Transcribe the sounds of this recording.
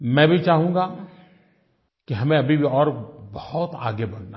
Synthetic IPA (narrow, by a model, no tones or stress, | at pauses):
mɛ̃ːbʱit͡ʃaːɦũːŋɡa | kiɦɐmẽɐbʱibʱiɔːɾbɐhʊt̪a̰ːɡebɐnna